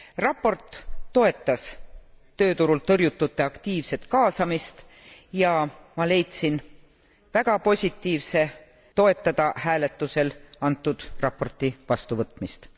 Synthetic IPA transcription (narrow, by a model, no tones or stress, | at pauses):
rɑpːˑo̞rt̪ːo̞e̞t̪ːˑɑst̪ø̞ːt̪uɾult̪ɤrjut̪ːut̪ːˑe̞ɑkt̪iːvse̞t̪kɑːsɑmist̪ | jɑmɑle̞jt̪sin | væɡ̥ɑpo̞sʲit̪ːˑiːvse̞ | t̪o̞e̞t̪ːˑɑd̪̥ɑhæːle̞t̪ːˑuse̞lɑnt̪ːˑud̪̥rɑpːo̞rt̪ˑivɑst̪uvɤt̪ːˑmist̪